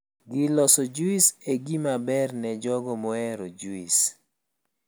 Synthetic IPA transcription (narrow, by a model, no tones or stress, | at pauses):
ɡɪlɔsɔd͡ʒuiseɡimabɛrnɛd͡ʒɔɡɔmɔɛɾɔd͡ʒuis